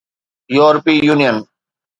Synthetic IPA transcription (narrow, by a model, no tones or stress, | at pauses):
joːɾpiːjuːnijən